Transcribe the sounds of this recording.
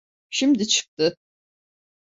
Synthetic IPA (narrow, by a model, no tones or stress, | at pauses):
ʃimd̪it͡ʃʰɯ̥k̚t̪ɯ